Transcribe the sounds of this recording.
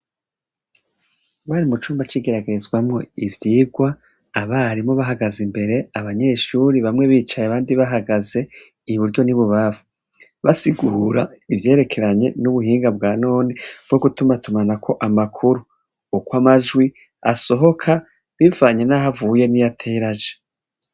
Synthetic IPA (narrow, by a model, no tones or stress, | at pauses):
βaɾimut͡ʃuːmbat͡ʃiːɡe̞ɾaɡe̞ɾezɡwamŋo̞̰ivjiːbɡwaː | βaɾimŋo̞βaɦaɡazimbe̞ɾe̞aβaɲe̞ʃuɾiβamŋe̞βiːt͡ʃajeaβaːndiβaɦaɡaze̞ | iβuɾjo̞niβuβavu | βasiɡuɾaivje̞ːɾe̞kʰe̞ɾaɲe̞nuβuɦiːŋɡabɡaːno̞ːnib̥̚ɡo̞ɡutumatumanakʰo̞ʔamakʰuɾuː | kwamaʒɡwi | a̰so̞ɦo̞kʰa | βivaːɲe̞naɦavuːje̞nijatʰeːɾaʒe